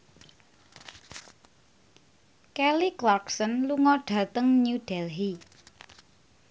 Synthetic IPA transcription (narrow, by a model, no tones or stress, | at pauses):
kɛliklɔksənluŋɔɖ̥ä̤t̪əŋɲuɖ̥ɛlɦi